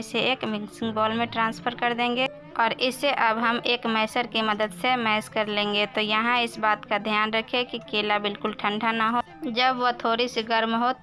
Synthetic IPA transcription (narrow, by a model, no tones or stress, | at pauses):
seeːkmɪksɪ̃ŋɡbɔːlmẽʈɾãːnspʰəɾkəɾd̪ẽːŋ̆ɡe | ɔːɾɪseʔɐbɦɐmeːkmɛɦsəɾkimɐd̪əd̪semɛɦskəɾlẽːŋ̆ɡet̪ojɐɦãɪsbaːt̪kad̪ʱjaːnɾəkʰekikeːlabɪlkʊlʈʰə̃ɳɖʱanaɦo | d͡ʒəbʋot̪ʰoːɾisiɡəɾmɦo